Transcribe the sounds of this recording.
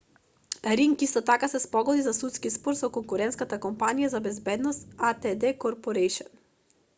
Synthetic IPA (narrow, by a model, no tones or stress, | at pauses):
ɾiŋkist̪ɔt̪akasɛspɔɡɔd̪izasut̪skispɔɾsɔkɔŋkuɾɛnt̪skat̪akɔmpanijazabɛzbɛd̪nɔst̪at̪ɛd̪ɛkɔɾpɔɾɛjʃɔn